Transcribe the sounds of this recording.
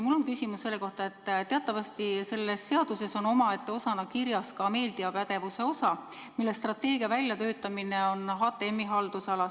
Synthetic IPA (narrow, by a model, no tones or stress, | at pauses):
mulːo̞nkysʲimusːe̞lːeko̞ht̪ɑe̞t̪ːˑt̪eɑt̪ˑːɑvɑst̪ise̞lːe̞sse̞ɑd̪̥use̞so̞no̞mɑe̞t̪ːe̞o̞sɑnɑkirjɑskɑme̞ːld̪̥iɑpæd̪̥e̞vuse̞o̞sɑ | milːest̪rɑt̪ːe̞ːɡ̥iɑvælʲːjɑt̪ø̞ːt̪ːˑɑmineo̞nɦɑːt̪ːˑeemːiɦɑld̪̥usɑlɑ